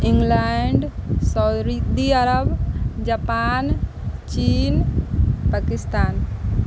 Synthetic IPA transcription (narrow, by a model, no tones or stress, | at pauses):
ɪ̃ŋɡlaɳɖsaʊd̪ɾid̪iəɾəbd͡ʒapaːn | t͡ʃiːnpakɪst̪aːn